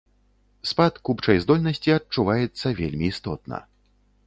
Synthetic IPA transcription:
spat̪kupt͡ʂɐjzd̪ɔlʲnɐsʲt͡sʲiɐt͡ʂːuvajɛt̪sːɐvʲelʲmʲiːst̪ɔt̪nɐ̰

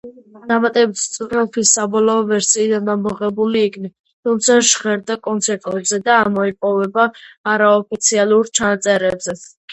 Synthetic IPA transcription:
d̪amat̪ʼɛbit̪ʰst̪sʼuɾɛlˠt̪ʰwisabɔlˠɔɔvɛɾsiːd̪anːanmɔʁɛbuliːkʰnɛ | t̪ʰumt̪sʰaʃʁɛɾd̪akʼɔnt̪sʰɛɾt̪ʼɛbzɛd̪aːmɔipʼɔvɛbaːɾaɔpʰit̪sʰialˠuɾt͡ʃʰanat̪sʼɛɾɛbzɛ

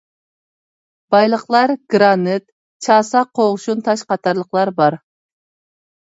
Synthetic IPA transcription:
b̥ɑjlˠəqlˠɑɾɡ̥ɾɑnɨt̪ | t͡ʃʰɑːsɑqʰoʁʃunt̪ʰɑʃqɑt̪ʰɑɾlˠəqlˠɑɾbɑɾ

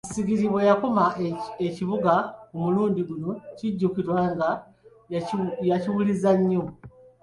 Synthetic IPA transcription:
siɡiɾiβwejako̞maeciβuɡakumuluːndiɡuno̞ciɟːukiɾwaːŋɡa | jaciwulizaɲːo̞

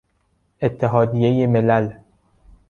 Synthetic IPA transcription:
ʔet̪ʰːeɦɒːd̪ijejemelæl

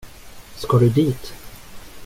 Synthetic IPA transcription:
skɑːɖɵd̪iːt̪

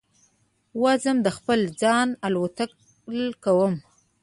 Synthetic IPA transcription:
wazəmd̪əxpəld͡zɑnalwat̪ak | lkawəm

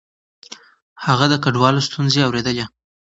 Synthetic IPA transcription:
haɣad̪əkaɖwɑlost̪unzeawɾed̪əle

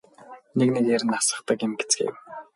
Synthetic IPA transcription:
neknekeɾɘ̆nasə̆χt̪ə̆kɪ̆mɡet͡sɡḛw

